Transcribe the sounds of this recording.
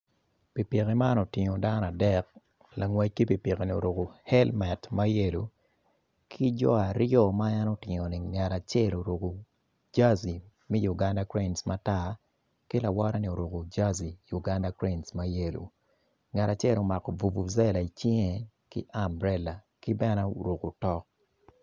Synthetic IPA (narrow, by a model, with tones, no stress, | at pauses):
pi˨pje˨ke˨ma˦no˨tɪ˨ŋo˨da˦n˨a˨dɛ˦k̚ | la˨ŋwɛ˦t͡ʃki˦pi˨pje˨ke˨ni˨o̰˨ɾo˨ko˨hɛ˦lmɛ˨tma˦je˦lu˨ | kʰi˦d͡ʒɔ̰˦a˨ɾjɔ˦ma˦a˦no˦tɪ˨ŋo˨ni˨ŋa˨ɾa˨t͡ʃɛ˦˨lo˨ɾo˨ɡo˨ | d͡ʒa˦zi˨ | mi˦ju˨ɡa˦nda˦kɾe˦˨nsmata˦ | kɪ˦la˨wɔ˦ɾa˦ni˨o˨ɾo˨ko˨d͡ʒa˦zi˨ju˨ɡa˦nda˦kɾe˦nsma˦je˦˨lṵ˨ | ŋa˨ɾa˨t͡ʃɛ˦˨lo˨ma˨kɔ˨vu˨bu˨zɛ˦la˨i˨t͡ʃi˦ŋe˨ | kɪ̰˦ʔa˦mbɾɛ˦la˨ | kɪ˦bɛ˦na˦u˨ɾo˨ku˨tɔ˦k̚